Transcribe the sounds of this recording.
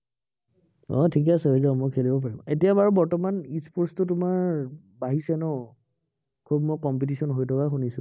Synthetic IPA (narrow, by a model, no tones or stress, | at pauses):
ɔ̰tʰik̬ɛasɛɦojzamɔjkʰelibɔp̬aɹimetijabaɹubɔɹtɔmanispʰoɹstʊtʊmaɹ | baɦisɛnɔ | kʰubmɔjkɔmpitisɔnɦojtʰɔkaxunisʊ̰̃